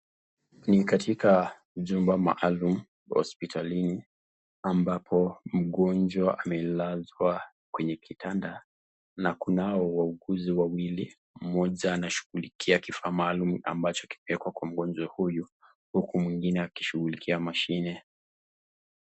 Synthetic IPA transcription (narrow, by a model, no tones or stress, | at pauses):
nikatʰika | ʄumbama̰ʔalum̩ | hɔ̰spitʰalini | ambapʰɔm̩ɠɔnd͡ʒwaʔamɛlazwa | kwɛɲɛkʰitanda | nakunaɔwauɡuziwawili | m̩mɔʄaːnaʃu̥ɣulikʰiakifaːmaːluma̰mbat͡ʃɔ̥ki̥pɛɛkwakwam̩ɠɔnd͡ʒwahuju | hukumwiŋɡinɛaki̥ʃuɣulikʰiamaʃinɛ